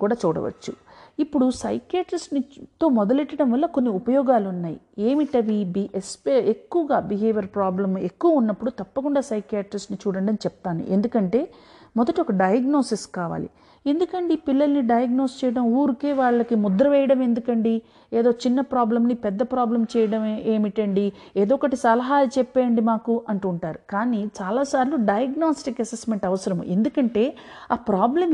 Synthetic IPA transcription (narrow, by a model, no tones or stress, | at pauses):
kuːɽaːt͡ʃuːɽɐ̰ʋɐ̰t͡ʃːuipːuɽusɐ̰jkjaːʈɾisʈnit̪o̞ːmɔd̪ɐleʈːɐɽɐmʋɐlːɐko̞nːiupɐjɔːɡaːlunːaːjḭ | e̞ːmiʈɐʋibiʔespeekːuʋɐɡaːbiɦeːʋjɐɾpɾaːblɐme̞kːuʋɐunːɐpːuɽut̪ɐpːɐkuɳɖaːsɐjkjaːʈɾisʈnit͡ʃuːɽɐɳɖɐnit͡ʃɛpt̪aːnḭʔe̞nd̪ukɐɳʈe̞ː | mɔd̪ɐʈiɔkɐɖɐjɐɡno̞ːsiskaːʋa̰ːlḭ | e̞nd̪ukɐɳɖipilːɐlɐniɖɐjɐɡnoːst͡ʃɛːjɐɽɐmuːɾukeːʋaːɭːɐkimud̪ɾɐʋɛjɐɽɐme̞nd̪ukɐɳɖi | eːd̪o̞ːt͡ʃinːɐpɾaːblɐmnipɛd̪ːɐpɾaːblɐmt͡ʃɛːjɐɽɐmeːmiʈɐɳɖieːd̪oːkɐʈisɐlɐɦaːlut͡ʃɛpːeːɳɖimaːkuʔɐɳʈuːɳʈaːɾukaːnit͡ʃaːlaːsaːɾiluɖɐjɐɡnoːsʈikɐsesme̞ɳʈɐʋɐsɐɾɐmṵe̞nd̪ukɐɳʈe̞ː | aːpɾaːblɐm